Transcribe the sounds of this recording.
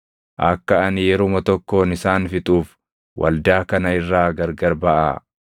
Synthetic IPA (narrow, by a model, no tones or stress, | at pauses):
ʔɐkːɐɐnɪjɛɾomɐt̪ɔkːo̞ːnɪsaːnfɪt̪ʼuːf | wʔɐ̰ld̪aːkɐnɐɪrːaːɡɐɾɡɐɾbɐʔa̰ː